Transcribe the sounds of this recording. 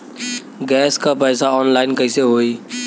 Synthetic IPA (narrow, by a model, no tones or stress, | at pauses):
ɡɛːskapɛːsaɔːnlaːɪnkəiseɦoːiː